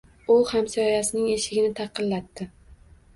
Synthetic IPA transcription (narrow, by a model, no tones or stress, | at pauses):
ʊhamsaɒjasɪnɪŋe̞ʃɪɡʲɪnɪt̪ʰɑqʰɨlːat̪ːɪ